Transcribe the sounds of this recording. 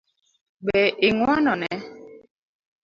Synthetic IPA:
ɡ͡bɛʔeŋwanɔnɛ

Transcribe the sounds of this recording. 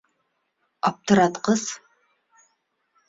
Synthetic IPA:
ap̚t̪ʰɨɾat̪qəz

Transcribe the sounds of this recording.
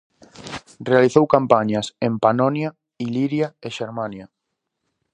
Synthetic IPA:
realiθowkampaɲasempanɔnja | iliβjaeʃeɾmãnja

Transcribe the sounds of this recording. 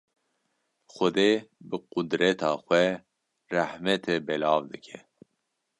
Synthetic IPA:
xʊd̪eːbɨqud̪ɾɛt̪ʰɑːxʷɛ | rahmɛt̪ʰɛbɛlɑːvd̪ɨkʲʰɛ

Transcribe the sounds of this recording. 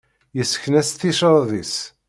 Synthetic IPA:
jəsːə̥çnæst̪ːiʃəɾˤðis

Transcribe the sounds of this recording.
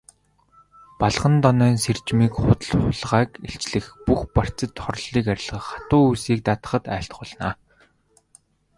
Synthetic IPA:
paɮʁə̆nt̪ɔnœːnser̥t͡ɕmiːkχʊt̪ə̆ɮχʊɮʁaːkeɬt͡ɕɮɘ̆xpuxpar̥t͡sə̆t̪χɔɾ̆ɮːiːkæɾʲɪ̆ɮʁə̆χḁt̪ʊːujsiːk̚t̪at̪ə̥̆χə̆t̪æ̰ːɬt̪χʊɮnaː

